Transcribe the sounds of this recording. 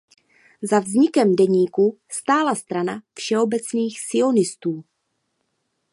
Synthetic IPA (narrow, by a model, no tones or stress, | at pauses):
zavzɲɪkɛmdɛɲiːkust̪aːlast̪ɾanafʃɛo̞bɛt͡sniːxsɪo̞nɪst̪uː